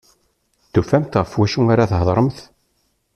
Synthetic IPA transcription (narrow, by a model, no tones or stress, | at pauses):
θufæmt̪ʁəfwæʃuaɾaθɦəðˤɾˤəmθ